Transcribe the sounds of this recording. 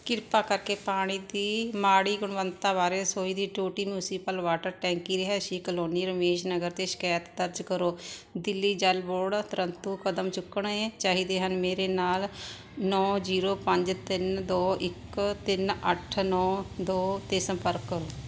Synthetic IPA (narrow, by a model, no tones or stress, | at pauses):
kɪɾpaːkəɾkeːpaːɽ̃iːd̪iːmaːɽiːɡʊɽ̃ʋənt̪aːbaːɾeːsoːiːd̪iːʈoːʈiːmjuːsiːpəlʋaːʈəɾʈɛ̃ːŋkiːɾeɦɛːʃiːkəloːniːɾəmeːʃnəɡəɾt̪eːʃɪ̥kaːjət̪d̪əɾd͡ʒkəɾoːd̪ɪlːiːd͡ʒəlboːɽt̪əɾənt̪uːkəd̪əmt͡ʃʊkːəɳɛ̃ːt͡ʃaːɦiːd̪eːɦənmeːɾeːnaːl | nɔːziːɾoːpəɲd͡ʒt̪ɪnd̪oːʔɪkt̪ɪnəʈʰnɔːd̪oːt̪eːsəmpəɾkːəɾoː